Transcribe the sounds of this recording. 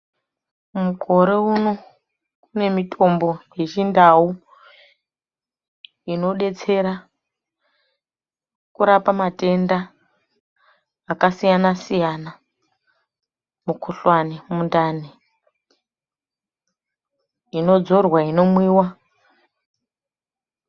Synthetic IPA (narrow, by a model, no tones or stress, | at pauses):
mukʰo̞ɾe̞uno̞ | kune̞mitʰo̞mbo̞je̞t͡ʃindau | ino̞ɗe̞t͡se̞ɾa | kuɾapamate̞nda | kasijanasijana | mukʰuɬwanemundaːne | ino̞d͡zo̞rwaino̞mwiːwa